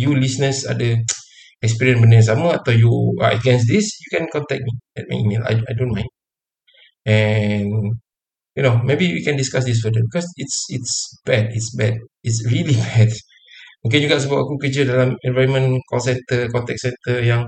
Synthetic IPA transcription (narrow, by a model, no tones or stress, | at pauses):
julisnəsa̰də | ɛks̬piɹiə̃nsbənis̬aməat̪ajṵə̰ɡɛ̃ns̬disjukɛ̃nkɔ̃nt̪ɛk̚miɛ̰t̚ma̰jimela̰jajdõnmãj̃nd | ɛn | junomebiwikɛ̃ndiskas̬dis̬fədəbikɔsitsitsb̥ɛditsbɛd̚itsɹilibɛd | ok̬ẽnjuɡɔʔsəbapakukəd͡ʒədalãmɛ̃nvaɹənmə̃nkɔls̬ɛ̃nt̪əkɔ̃nt̪ɛk̚sɛ̃nt̪əjãŋ